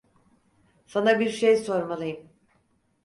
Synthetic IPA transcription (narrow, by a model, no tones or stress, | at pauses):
sanabiɾʃejso̞ɾmalˠɯjɯm